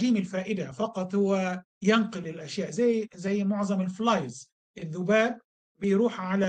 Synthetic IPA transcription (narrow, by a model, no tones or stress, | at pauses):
ɡiːmɪlfaːʔɪd̪afɑqɑt̪ˤhʊwːa | janqʊlɪlʔaʃjaːʔzajzajːmʊʕzˤɑmɪlflɑjz | ʔɪðːʊbaːb̚ː | ɪjɾuːħʕala